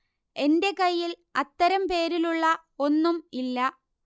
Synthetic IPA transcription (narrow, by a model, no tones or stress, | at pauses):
e̞nde̞kɐjːil | ɐt̪ːɐɾɐmpe̞ːɾiluɭːɐ | o̞nːumilːɐ